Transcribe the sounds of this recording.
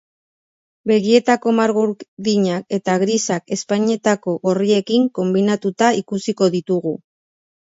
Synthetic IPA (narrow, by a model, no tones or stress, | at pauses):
be̞ɣie̞t̪ako̞maɾɣuɾðiɲak̚e̞t̪aɣɾisake̞spaɲe̞t̪ako̞ɣo̞rie̞kiŋko̞mbinat̪ut̪aikusiko̞ðit̪uɣu